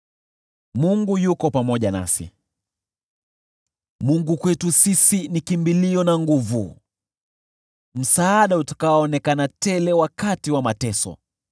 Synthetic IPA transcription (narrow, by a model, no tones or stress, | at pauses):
muŋɡujukɔpamɔʄana̰sḭ | muŋɡukwɛtusisinikimbiliɔnaŋɡuvṵ | m̩saːɗautḁkaɔːnɛkanatɛlɛwakatiwamatɛsɔ̰